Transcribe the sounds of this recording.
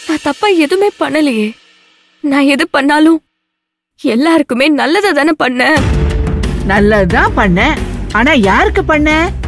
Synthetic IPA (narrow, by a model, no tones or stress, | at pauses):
nãːt̪ɐpːaːɛðɯmeːpɐɳːɐlɪjeː | nãːɛðɯpɐɳːaːlʊ̃ | ɛlːaːɾɯkːɯmeːnɐlːɐðaðaːnɯpɐɳːɛ̃ | nɐlːɐt̪ãːpɐɳːɛ̃aːnaːjaːɾɯkːɯpɐɳːɛ̃ː